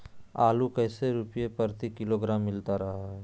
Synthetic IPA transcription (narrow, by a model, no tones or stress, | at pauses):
aːlukɛːseɾʊpjepəɾt̪ikɪloɡɾaːmːɪlt̪aɾɐɦaɦɛ